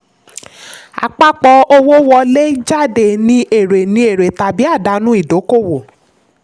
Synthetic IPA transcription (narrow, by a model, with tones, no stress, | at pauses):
a̰˨k͡pa˦k͡pɔ˧o˦wo˦wɔ˧˦le˦d͡ʒa˦de˨nĩ˧ʔe˨ɾe˨nĩ˧e˨ɾe˨ta˨bi˦a˦˨da˨˧nũ˦i˦˨do˨˦ko˦˨wo˨